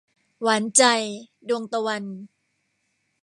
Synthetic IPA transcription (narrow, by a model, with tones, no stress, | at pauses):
waː˩˦nt͡ɕa˧j | du˧əŋt̪a˧wa˧n